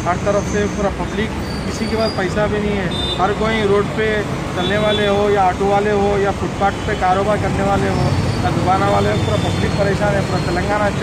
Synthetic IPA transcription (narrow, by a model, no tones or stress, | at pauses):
ɦɐɾt̪ɐɾəfʰsepuːɾapɐblɪk | kɪsikebaːzpɐɪsabʱinɐɦĩɦɛː | ɦɐɾkoːĩɾoːɖpe | t͡ʃɐlneʋaːleɦojaːʈoʋaːleɦojafʊʈ̚paːʈpekaːɾoːbaːɾkɐɾneʋaːleɦoːjad̪ʊkaːnaʋaːleɦopuːɾapɐblɪk̚pɐɾeːʃaːnɦɛpuːɾat̪ɐlə̃ŋɡaːnat͡ʃ